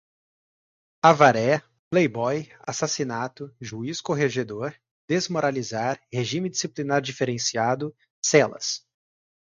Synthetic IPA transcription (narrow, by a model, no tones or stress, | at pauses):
avaɾɛ | plejbɔjasasinat̪ʊʒuiskoɦeʒed̪oɾ | d̪ezmoɾalizaɾheʒĩmɪd͡ʒisiplinaɾd͡ʒifeɾẽsiad̪ʊ | sɛlɐ̰s